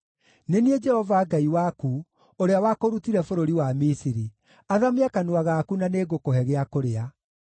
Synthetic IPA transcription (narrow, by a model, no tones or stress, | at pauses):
nenied͡ʒɛhɔvaɡaiwaku | oɾeawakoɾutiɾɛfoɾoɾiwamisiɾi | aðameakanwaɣaːkunaneːɣokoɦɛɣeakoɾea